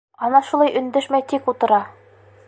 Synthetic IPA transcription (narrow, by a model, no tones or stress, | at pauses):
ɒnɑʃulˠɑjʔɵ̆nd̪ɘʃmæjt̪ikut̪ɤ̆ɾɑ